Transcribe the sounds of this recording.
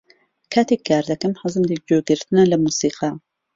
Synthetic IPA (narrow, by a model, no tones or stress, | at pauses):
kʰaːt̪eːk̚ɡaːɾd̪ɐkɐmħɨzɨmd̪ik̚d͡ʒoːɡɨɾt̪ɨnɐlɐmuːsiːqɑ